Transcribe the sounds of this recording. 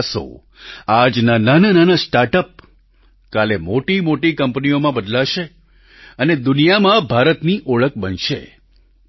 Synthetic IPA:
so̰ | ad͡ʒnananənanasʈaɾʈəp̚ | kalemoʈimoʈikəmpniomãbəd̪laʃe | əned̪unijamãbʱaɾət̪niʔoɭək̚bənʃḛ

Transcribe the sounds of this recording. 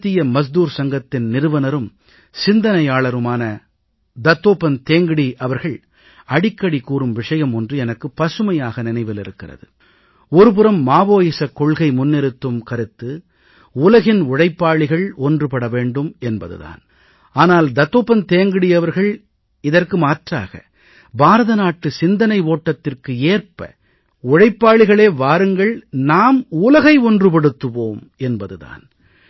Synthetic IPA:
t̪ːɪjɐmɐs̬d̪uːɾsɐŋɡɐt̪ːɪnnɪɾɯʋɐnɐɾɯm | sɪnd̪ɐnɐjaːɭɐɾɯmaːnɐ | d̪ɐt̪ːoːpɐnt̪eːŋɡɪɽiʔɐʋɐɾɣɐɭ | ɐɽɪkːɐɽikuːrɯmʋɪʂɐjɐmɔndrɯɛnɐkːɯpːɐsɯmɐjaːɣɐnɪnɐɪʋɪlɪɾɯkːɪrɐ̰ðɯ̰ | ɔɾɯp̬ɯɾɐmːaːʋoːjɪsɐkːɔɭɣɐɪmʊnːɪɾɯt̪ːɯmkɐɾɯt̪ːɯ | ʊlɐɣɪnʊɽɐɪpːaːɭɪɣɐɭɔndrɯpɐɽɐʋeːɳɖɯmɛnbɐ̰ðɯ̰ða̰ːn | aːnaːld̪ɐt̪ːoːpːɐnt̪eːŋɡɪɽɪjɐʋɐɾɣɐɭ | ɪðɐrkɯmaːʈra̰ːɣɐ̰ | baːɾɐðɐnaːʈːɯsɪnd̪ɐnɐɪoːʈːɐt̪ːɪrkɯeːrpɐ̰ | ʊɽɐɪpːaːɭɪɣɐɭeːʋaːɾɯŋɡɐɭnaːmuːlɐɣɐɪɔndrɯp̬ɐɽɯt̪ːɯʋoːm | ɛnbɐðɯða̰ːn

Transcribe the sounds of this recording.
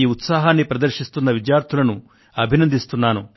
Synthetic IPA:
iːut̪saːɦaːnːipɾɐd̪ɐɾʃist̪unːɐʋid͡ʒjaːɾt̪ʰulɐnu | ɐbʱinɐnd̪ist̪unːaːnu

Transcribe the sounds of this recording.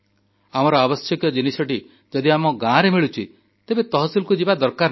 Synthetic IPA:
amɔɾɔabɔsjɔkjɔd͡ʒinisɔʈi | d͡ʒɔd̪iamɔɡãɾemiɭut͡ʃʰi | t̪ebet̪ɔɦɔsilkud͡ʒibad̪ɔɾkaɾ

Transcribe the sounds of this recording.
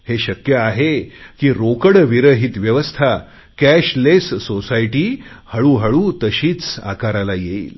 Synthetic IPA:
heɕəkjəaɦekiːɾokəɽʋiɾəɦit̪ʋjəʋəst̪ʰa | kæɕlesːosajʈiː | həɭuːɦəɭut̪əɕiːt͡sa̰kaɾalajeḭːl

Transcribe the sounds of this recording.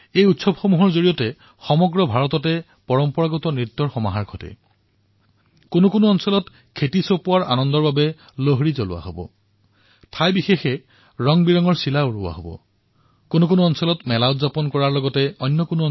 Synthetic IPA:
ejutsɔbxomuɦɔɹzoɹijɔtɛ | xɔmɔɡɹɔbʱaɹɔtɔtɛ | pɔɹɔmpɔɹaɡɔtɔnɹit̪ːɔɹxɔmaɦaɹɡʰʱɔtɛ̰ | kʊnukʊnuɔnsɔlɔt | kʰetisopʊwaɹa̰nɔndɔɹbabɛ | loɦɹizɔlʊwa̰ɦobɔ̰ | tʰajbixexɛ | ɹɔŋbiɹɔŋɔɹsilaɹuwa̰ɦobɔ̰ | kʊnukʊnuɔnsɔlɔtmɛlaʊtzapɔnkɔɹaɹlɔɡɔtɛɔjnːɔkʊnuɔ

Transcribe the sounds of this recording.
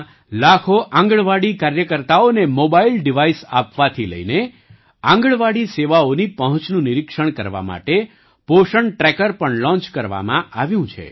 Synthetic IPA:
lakʰoʔãŋɡəɭʋaɽikaɾjəkəɾt̪aonemobailɖiʋaisa̰pʋat̪ʰilə̰ine | ãŋɡəɭʋaɽiseʋaonipəɦə̃t͡ʃnũniɾikʂəɳ̃kəɾʋa̰ma̰ʈe | poʃəɳʈɾɛkəɾpəɳlɔ̃nt͡ʃkəɾʋa̰mã̰ʔaʋjũt͡ʃʰḛ

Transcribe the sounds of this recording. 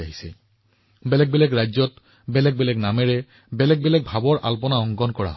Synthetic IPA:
aɦisɛ | bɛlɛk̚bɛlɛkɹajzɔt | bɛlɛk̚bɛlɛknamɛɹɛ | bɛlɛk̚bɛlɛk̚bʱabɔɹʔa̰lpɔnaɔŋɡɔnkɔɹa̰ɦ

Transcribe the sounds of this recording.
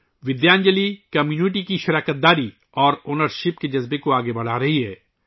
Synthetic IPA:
ʋɪd̪jaːnd͡ʒəlikɐmjuːnɪʈ̬ikiʃɪɾaːkət̪̚d̪aːɾi | ɔːɾoːnəɾʃɪpked͡ʒɐzbekoaːɡebɐɽ̤aːɾɐɦiɦɛː

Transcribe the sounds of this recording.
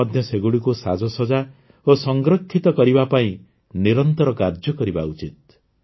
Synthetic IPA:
ɔd̪ʱjɔseɡuɽikusad͡ʒɔsɔd͡ʒa | osɔŋɡɾɔkʰːit̪ɔkɔɾibapaĩ | niɾɔnt̪ɔɾɔkaɾd͡ʒjɔkɔɾibaut͡ʃit̪̚

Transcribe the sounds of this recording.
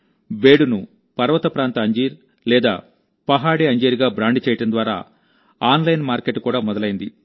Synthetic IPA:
beːɽunu | pɐɾʋɐt̪ɐpɾaːnt̪ɐɐɲd͡ʒiːɾ | lɛːd̪aː | pɐɦaːɽiɐɲd͡ʒeːɾiɡaːbɾaːɳɖit͡ʃɛːjɐʈɐnd̪ʋaːɾa̰ː | aːnlɐjnmaːɾkeʈːkuːɽaːmɔd̪ɐlɐjind̪i

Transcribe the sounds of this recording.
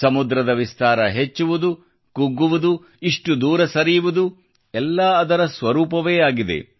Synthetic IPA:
sɐmud̪ɾɐd̪ɐʋist̪aːɾɐɦet͡ʃːuʋud̪u | kuɡːuʋud̪u | iʂʈud̪uːɾɐsɐɾijuʋud̪u | ɛlːɐːɐd̪ɐɾɐsʋɐɾuːpɐʋe̞ːaːɡid̪e̞̰

